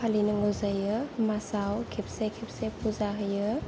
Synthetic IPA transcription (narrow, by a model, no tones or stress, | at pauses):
alinɯŋozajɯmasawkʰip̚sekʰip̚sepʰuzaɦɯjɯ